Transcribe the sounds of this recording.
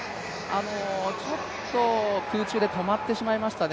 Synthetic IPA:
ano̞t͡ɕo̞t̪ːo̞kɯ̟ːt͡ɕɨːd̪e̞t̪o̞mat̪ːe̞ɕimaimaɕi̥t̪an

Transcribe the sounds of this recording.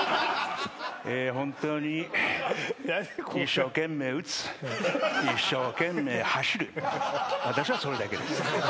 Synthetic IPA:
eːɦõnt̪oːɲ̟i | iɕːo̞ːkẽ̞mːe̞ːɯ̟t͡sɨ̥ | iɕːo̞ːkẽ̞mːe̞ːhaɕiɾɯ | βat̪aɕiβaso̞ɾe̞d̪ake̞d̪esɨ̥

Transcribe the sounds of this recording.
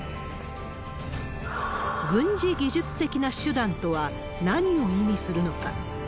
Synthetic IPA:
ɡɯ̟̃ɲ̟d͡ʑiɡʲiʑɨt͡sɨ̥t̪e̞kʲinaɕɨd̪ãnt̪o̞βa | naɲ̟io̞imʲisɨɾɯ̟no̞ka̰

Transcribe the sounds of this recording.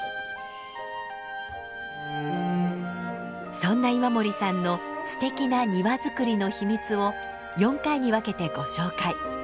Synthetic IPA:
sõ̞nːaimamo̞ɾʲisãnːo̞ | sɨ̥t̪e̞kʲinaɲ̟iβazɨkɯ̟ɾʲino̞çimʲit͡sɨo̞ | jõ̞ŋkaiɲ̟iβake̞t̪e̞ɡ̥o̞ɕo̞ːkai

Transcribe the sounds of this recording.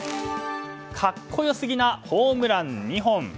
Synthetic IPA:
kʰakʰːojosɨɡʲinahoːmɯ̟ɾãnːiɦõŋ

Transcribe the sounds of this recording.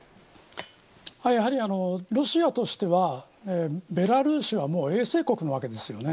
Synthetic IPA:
hajaɦaɾʲiano̞ɾo̞ɕiat̪o̞ɕi̥t̪e̞βa | ebe̞ɾaɾɯ̟ːɕiβamo̞ːe̞ːse̞ːko̞kɯ̟no̞β̞ake̞d̪e̞sɨjo̞ne̞

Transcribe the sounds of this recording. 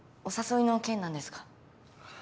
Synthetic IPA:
o̞saso̞inokẽnːãnd̪esɨ̥kḁ

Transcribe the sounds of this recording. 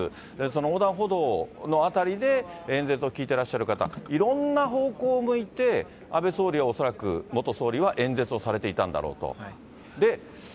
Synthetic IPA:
so̞nooːd̪ãɰ̃ɦo̞d̪o̞ːno̞at̪aɾʲid̪e̞ẽ̞nd͡ze̞t͡sɨo̞kʲiːt̪e̞ɾaɕːaɾɯ̟kat̪a̰iɾõ̞nːaɦo̞ːko̞ːmɯ̟it̪e̞ | abe̞so̞ːɾʲiao̞so̞ɾakɯ̟̰mo̞t̪oso̞ːɾʲiβaʔẽ̞nd͡ze̞t͡sɨo̞saɾe̞t̪e̞it̪ãnd̪a̰ɾo̞̰ːt̪o̞̰ | d̪e̞

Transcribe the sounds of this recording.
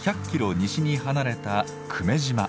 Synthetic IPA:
çʲakʲːiɾo̞ɲ̟iɕiɲ̟iɦanaɾe̞t̪a | kʰɯ̟me̞ʑima

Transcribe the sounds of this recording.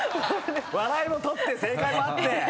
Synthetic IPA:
βaɾaimo̞t̪ot̪ːe̞se̞ːkaimoat̪ːe

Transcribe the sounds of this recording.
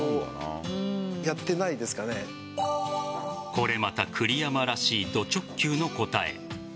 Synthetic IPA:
o | jat̪ːe̞naid̪e̞sɨ̥kane̞ | ko̞ɾe̞mat̪akʰɯ̟ɾʲijamaɾaɕiːd̪o̞t͡ɕo̞kkʲːɨːno̞ko̞t̪ae̞̰

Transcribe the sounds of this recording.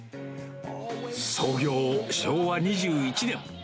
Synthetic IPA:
so̞ːɡʲo̞ːɕo̞ːβaɲ̟iʑɨːit͡ɕinẽ̞ŋ̃

